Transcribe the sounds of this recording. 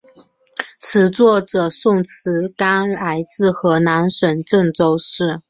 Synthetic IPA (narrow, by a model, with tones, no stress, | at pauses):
t͡sʰɻ̩˧˥t͡swɔ˥˩ʈ͡ʂɤ˨˩sʊ˥˩ŋt͡s̩ʰ˧˥ka˥nla˧˥ɪt͡sɹ̩˥˩xɤ˧˥na˧˥nʂwə˨˩nʈ͡ʂɤ˥˧ŋʈ͡ʂo˥ʊʂɻ̩˥˩